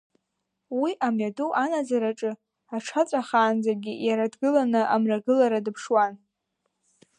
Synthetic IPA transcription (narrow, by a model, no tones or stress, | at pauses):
wiʔamɥaduʔanad͡zaɾaʈ͡ʂʼɨ | aʈ͡ʂʰat͡sʼaχaːnd͡zaɡʲijaɾadɡɨlanɨʔamraɡɨlaɾadɨpʰʂwan